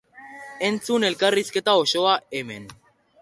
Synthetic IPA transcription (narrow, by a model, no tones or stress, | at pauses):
e̞nt͡sune̞lkariske̞t̪aoʃo̞aeme̞̰n